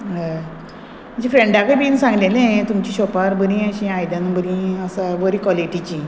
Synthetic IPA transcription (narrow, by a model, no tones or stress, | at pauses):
məɳd͡ʑefɾeɳɖakebiːnsãŋɡlelẽt̪umt͡ɕiɕɔpaɾbəɾĩəɕĩajd̪anbʱəɾĩəsaʋəɾikʋɔliʈit͡ɕi